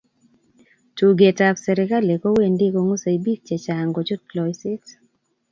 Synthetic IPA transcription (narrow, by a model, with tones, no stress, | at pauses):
tu˨ɡe˨ta˨fsɛ˨ɾɪ˨ka˦le˨ko˦we˦˨ndi˦ko˨ŋo˦sa˨jbi˦k̚t͡ʃɛ˨t͡ʃa˨ŋɡo˨t͡ʃʊ˦tlɔ˨jsɪ˦t